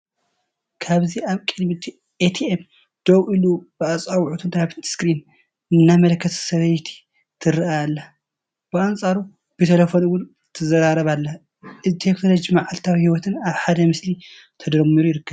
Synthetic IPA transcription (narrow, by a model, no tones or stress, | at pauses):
kʰaβziaβkʼɨd̪mit̪ʰ | ʔet̪ʰiem | d̪̥owʔɨlub̥ɨat͡sʼawʕut̪ʰɨnaβskɾin | ɨnːamɐlɐkʰːɐt̪ʰsɐβɐjt̪ʰi̥ | t̪ʰɨɾɨaalːa | b̥ɨansʼaɾu | b̥ɨt̪ʰɐlɐfonuwʊn | t̪ʰɨzɐɾaɾɐβalːɐ | ʔɨzt̪ʰekno̞lod͡ʒimaʕalt̪ʰawihiwɔt̪ʰɨnaβħad̪ɐmɨsli | t̪ʰɐd̪ɾɐmːiɾujɪɾɨkːɐβ